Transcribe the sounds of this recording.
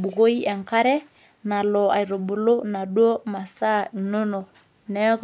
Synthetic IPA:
bu˨ko˦i˦ɛ˨ŋka˦ɾɛ˦ | na˨lɔ˨a̰˨i˨ɾo˨bo˨lo˦na˨dwo˦ma˨sa˦˨no˦no˨ | nɛ˦k

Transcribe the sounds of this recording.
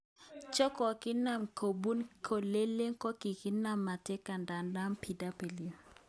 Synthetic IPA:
t͡ʃɔ˦kɔ˨ki˦na˦˨mkʰo˨bu˦nkʰo˨le˦le˦ŋ˦kɔ˦ki˨ki˦na˦˨mːa˨te˦ka˨nda˨nda˦mpʰi˨da˦pe˨li˨˦˨

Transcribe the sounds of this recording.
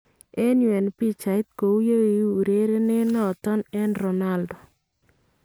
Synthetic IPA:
e˦nwɛ˨npi˦t͡ʃa˨i˦t̪̚ko˨u˦jo˦wi˨˦u˨ɾe˦ɾe˦nɪ˦nɔ˦˨t̪ɔ˦nɛ˦nɾɔ˨na˦ldɔ˨

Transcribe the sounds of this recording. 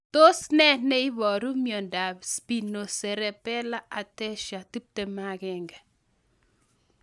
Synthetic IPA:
to˦snɛ˦nɛ˦i˦βɔ˨ɾu˦mjo˨nda˨bspi˨no˨sɛ˨ɾɛ˨pɛ˦la˦ʔa˨tɛ˦ʃa˨ti˦p̚te˨ma˦kɛ˨ŋɡɛ˨

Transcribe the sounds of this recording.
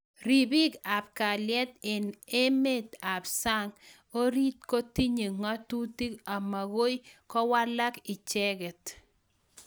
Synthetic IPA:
ɾi˨bi˦ka˨p̚ka˨ljɛ˦t̪ɪ˨ne˦me˦t̪a˨bsa˦ŋ | o˦ɾi˦t̪ko˦ti˦ɲe˨ŋa˦tu˦ti˦ka˨ma˨ɣo˦jkɔ˦wa˦la˦kɪ˨t͡ʃɛ˦ɡɛ˨t̪

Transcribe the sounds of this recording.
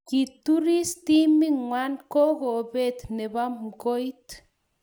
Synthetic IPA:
ki˨tu˦ɾi˦sti˦mi˦ŋwa˦nkɔ˦ɣo˨be˦˨t̪nɛ˨ba˦mko˦jt

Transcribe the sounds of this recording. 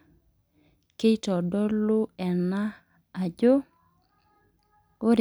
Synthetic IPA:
ke˦i˦tɔ˨dɔ˦lʊ˦ɛ˨na˦ | a˨d͡ʒo˦ | o˦ɾ

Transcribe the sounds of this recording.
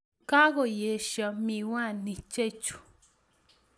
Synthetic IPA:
ka˦ɣo˨je˨ʃa˨mĩ˨wã˦˨nĩ˨t͡ʃe˦˨t͡ʃu̥˨

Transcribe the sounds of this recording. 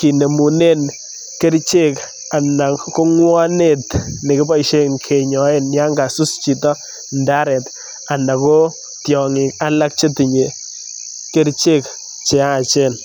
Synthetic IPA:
ki˨ne˨mu˨ne˦n | ke˦ɾt͡ʃe˦k | a˨na˨ko˦ŋwɔ˦ne˦˨tnɪ˨kɪ˦ba˦iʃe˦ŋkʰe˨ɲɔ˨e˦nja˦ŋɡa˨su˦st͡ʃi˨tɔ˦ | nda˦ɾɛ˨t | a˨na˨ko˦ | tjɔ˨ŋɪ˨ka˦la˦k̚t͡ʃe˦ti˨ɲe˨ | ke˦ɾt͡ʃe˦k | t͡ʃe˨a˦a˨t͡ʃe˦n

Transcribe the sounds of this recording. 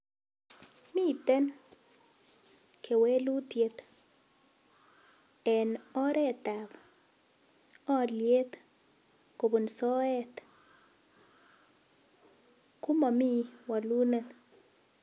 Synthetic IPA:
mi˦t̪ɛ˦n | kʰe˨we˦lu˦tje˨t̪ | ɛ˨nɔ˦ɾɛ˦˨ta˨b | ɔ˦lje˦t̪ | ko˨bu˨nsɔ˦ɛ˦t̪ | ku˦ma˨mi˦wa˨lu˦ne˦n

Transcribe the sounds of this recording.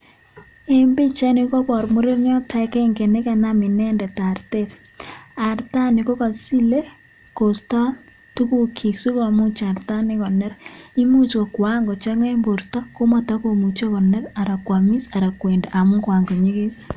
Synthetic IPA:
e˦mbe˦t͡ʃa˦ni˨kɔ˦pɔ˨ɾmʊ˦ɾi˦ɾɲɔ˦ta˦kɛ˦ŋke˨ne˦ka˨na˦mɪ˨nɛ˦ndɛ˨ta˨ɾte˦t | a˨ɾta˦ni˨ko˦ka˨si˦le˦ | ko˨stɔ˦ | tu˦ku˦kʰi˨ksu˦ko˨mu˦t͡ʃa˨ɾta˦nɪ˦kɔ˨nɛ˦ɾi˦mu˦t͡ʃko˨kwa˦ŋɡɔ˨t͡ʃa˦ŋe˦mbo˨ɾtɔ˦ko˦ma˨ta˦ko˨mu˨t͡ʃe˦kɔ˨nɛ˦ɾa˨ɾa˨kwa˨mi˦sa˨ɾa˨kwe˨nde˨ʔa˨mʊ˦kwa˨ŋɡɔ˨ɲi˦ki˦s

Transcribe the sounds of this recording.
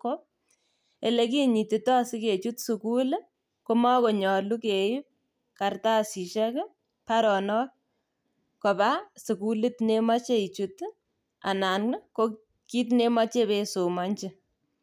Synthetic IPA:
kop̚ | e˨le˨ki˦ɲi˨ti˨tɔ˦a˨si˦ke˨t͡ʃu˦tsukule˦ | ko˦ma˦ko˨ɲɔ˨lu˦kei˦p̚ | ka˨rta˦si˨ʃɛ˦k | pa˦ɾɔ˨nɔ˦ | kɔ˨ba˦su˨ku˦li˦tne˦ma˦t͡ʃe˦i˨t͡ʃut | a̰˨na˨n˦ko˦ | ki˦t̬ne˦ma˦t͡ʃe˦beso˨ma˦ɲt͡ʃɪ˦

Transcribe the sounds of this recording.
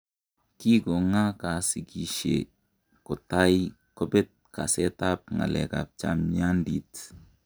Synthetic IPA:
ki˦kɔ˨ŋa˦ka˨si˨ki˨ʃḛ˨ | kʊ˨ta˦j | kɔ˦bɛ˦t̚ka˨sɛ˦ta˦p̚ŋa̰˨lɛ̰˨ka̰˨p̚t͡ʃa̰˦mia˦ndi˨t

